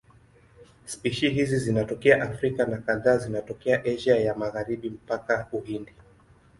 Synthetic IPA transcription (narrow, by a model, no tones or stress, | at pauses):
spiʃiɦizizinatɔkɛaʔafɾikanakaðaːzinatɔkɛaʔɛʒajamaɣaɾiɓim̩pakauhindi